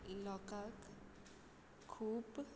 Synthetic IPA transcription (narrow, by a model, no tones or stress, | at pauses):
ilɔkak | kʰup